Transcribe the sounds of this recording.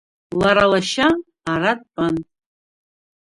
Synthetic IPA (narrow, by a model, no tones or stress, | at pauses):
laɾalaʃaː | rat̚ʼpʼan